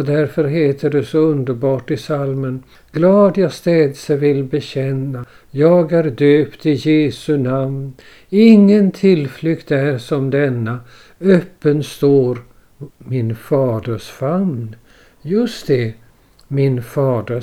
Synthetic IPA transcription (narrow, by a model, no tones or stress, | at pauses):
ɔd̪æɾfœɾɦeːt̪ʰəɖɛsɔɵnd̪əɾbɑːʈɪsalmən | ɡ̥lɑːd̪jast̪ɛːd̪səvɪlbɛɕɛnːa | jɑːɡæɾd̪øːpt̪ɪjeːsɵnamn | ɪŋːənt̪ʰɪlflʏkt̪æɾʂɔmd̪ɛnːa | œpːənst̪oːɾ | mɪnfɑːd̪əʂfamn | jɵst̪d̪ɛ | mɪnfɑːd̪ə